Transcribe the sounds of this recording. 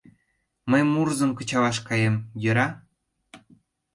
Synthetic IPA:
məjmurzə̆nkə̆t͡ɕɑlɑʃkɑjemjə̆ɾɑ

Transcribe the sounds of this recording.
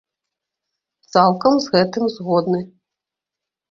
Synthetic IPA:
t̪salˠkɐmzɣɛt̪ɨmzɣɔd̪nɨ

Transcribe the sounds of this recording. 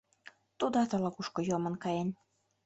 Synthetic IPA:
t̪ud̪ɑt̪ɑlɑkuʃkojomɤ̆nkɑjen

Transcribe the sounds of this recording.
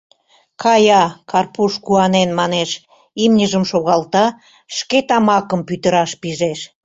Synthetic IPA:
kʰɑjɑkɑrpuʃkuɑnenmɑneʃ | imnʲəʒəmʃoɣɑlt̪ɑ | ʃket̪ɑmɑkəmpyt̪əɾɑʃpiʒeʃ

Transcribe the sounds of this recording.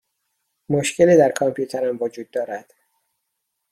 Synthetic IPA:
moʃceliːd̪æɾkʰɒmpʰjuːt̪ʰeɾæmvod͡ʒuːd̪̚ːɒːɾæd̪̥

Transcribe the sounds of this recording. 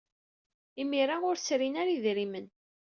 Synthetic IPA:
imiɾaʊɾsɾinaɾiðɾimən

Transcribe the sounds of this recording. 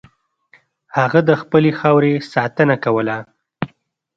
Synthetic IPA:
haɣad̪əxpəlexɑwɾesɑt̪ənakawəla

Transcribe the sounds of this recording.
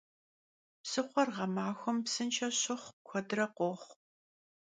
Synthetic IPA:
psɨχʷɔrʁɐmaːxʷɔmpsɨnt͡ʃʰɐɕɪχʷkʷʰɔdrɐqʷoχʷ

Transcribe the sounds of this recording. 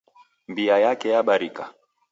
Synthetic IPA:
mbiajakɛjaɓaɾika

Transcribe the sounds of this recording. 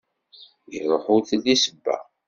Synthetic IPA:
iɾˤoħuθlːisəbːæ̰

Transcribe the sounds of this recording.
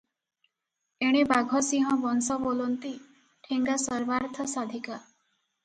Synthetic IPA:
eɽ̃ibaɡʱɔsiɦɔ̃bɔnsɔbolɔnt̪i | ʈʰiŋɡasɔɾbaɾt̪ʰɔsad̪ʱika

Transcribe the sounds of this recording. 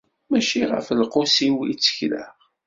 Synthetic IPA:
mæʃiʁə̰fəlqʊsiwḭt͡sːə̥çla̰ʁ

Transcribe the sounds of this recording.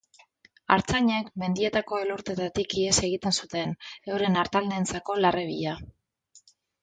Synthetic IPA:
a̰ɾt͡saɲe̞kme̞nd̪ie̞t̪ako̞e̞luɾt̪e̞t̪at̪ikiese̞ɣ̞it̪e̞nsut̪e̞ne̞wɾe̞naɾt̪alnent͡sako̞lareβ̞iʎa

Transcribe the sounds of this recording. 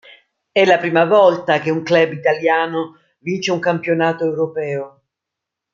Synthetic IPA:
ɛlːapɾiːmavɔlt̪ak̟euŋklɛbit̪aljaːno | vint͡ʃeuŋkampjonaːt̪oewɾopɛːo

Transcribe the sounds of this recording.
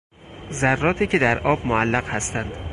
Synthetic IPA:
zærːɒːt̪ʰiːcʰed̪æɾʔɒːbmoælːæɣhæst̪ænd̪̥

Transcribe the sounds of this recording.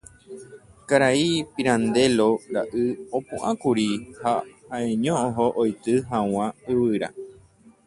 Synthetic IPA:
kaɾaipiɾãnd̪e̞loɾaʔɨopũʔãkuɾihahãẽɲõõɦoʔojt̪ɨɦãw̃ãɨwɨɾa̰

